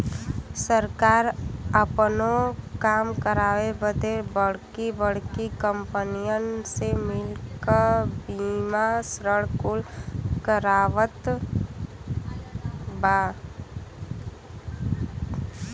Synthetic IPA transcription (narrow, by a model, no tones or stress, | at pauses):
səɾkaːɾəpnokaːmkəɾaːʋebəd̪ebəɽ̤kibəɽ̤kikəmpənijənsemɪlkəbimasɾəɽkʊlkəɾaːʋət̪ | baː